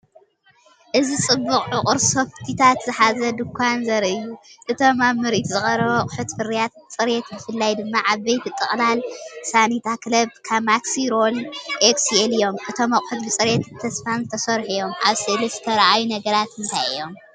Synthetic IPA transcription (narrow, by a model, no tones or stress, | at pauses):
ʔɨzit͡sʼɨbːukʼʕʊkʼɨɾso̞ft̪ʰit̪ʰat̪zɨħazɐd̪ɨkʰʷːanzɐɾɨjːuʔɨt̪ʰo̞mamːɨɾit̪zɨχʼɐɾɐβɐkʼʊħut̪fɨɾijat̪̚t͡sʼɨɾet̪bɨfɨlːajd̪ɨmːaʔaβːejt̪it̪ʼɨχʼlalsanit̪ʰaklɐb̚kʰaβmaksiɾolʔeksielɨjo̞mʔɨt̪ʰo̞mɐkʼʊħut̪bɨt͡sʼɨɾet̪ɨt̪ʰːɐsfanzɨt̪ʰɐsɐɾħujo̞mʔa̰βsɨlɨfɨt̪ʰɐɾʔajunɐɡɐɾat̪ɨnt̪ʰajɨ̰jo̞m